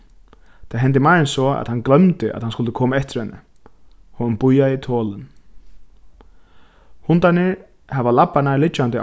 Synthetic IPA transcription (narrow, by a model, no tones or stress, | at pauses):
t̪ʰaɦɛnt̪̬ɪmaɾɪnsɔa̰t̪hanklœmt̪ɪʔa̰t̪hanskʊlt̪ɪkʰɔːmaɛht̪ɪɾ̥hɛnːɪ̰ | hɔnnpʊjaɪt̪ʰɔːlɪn | hʊnt̪anɪ | havalapːanalɪt͡ʃːant̪ɪ